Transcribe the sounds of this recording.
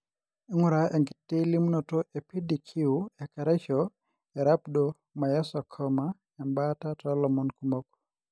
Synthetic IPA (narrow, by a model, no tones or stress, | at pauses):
iŋʊɾaʔɛŋɡitːelimnɔtɔʔepidikʰiuɛkaɾɛt͡ʃɔ | ɛɾapdɔ | majɛsɔkʰɔma | ɛmbatatɔlɔmɔnkumɔk̚